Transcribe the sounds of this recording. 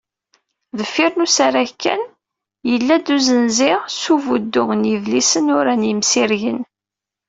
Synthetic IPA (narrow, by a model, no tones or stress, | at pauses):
ðəfːɪɾnusaɾækːæ̰n | jəlːæd̪uzənzɪʁsuvud̪ːʊʁənjəvlisənʊɾænjəmsiɾʝən